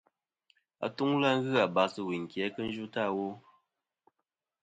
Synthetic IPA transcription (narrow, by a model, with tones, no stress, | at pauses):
a̰˨tu˦ŋla˦ŋ˦ɣɨ˦a˨ba˨sɨ˨wi˨ŋ˨kjɛ˨˦kɨ˦n̩˦d͡ʒu˦ta˦˨wo˦